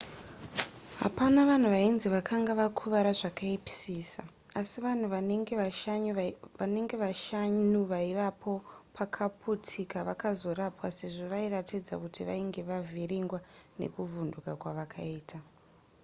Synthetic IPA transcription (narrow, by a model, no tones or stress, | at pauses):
ɦa̰panaʋan̤uʋainziʋakʰaŋɡaʋakʰuʋaɾaʐakaipi̥siːsa̰ | asiʋan̤uʋaeŋɡeaaane̞ŋɡe̞ʋaʃaɲuʋaiʋapʰo̞pʰakʰapʰutʰikaʋakazo̞rapwase̞ʐo̞ʋairatid͡za̰kutʰiʋa̰iŋɡe̞ʋavʱiriŋɡwanḛkuvundukakwaʋakʰaiːtʰa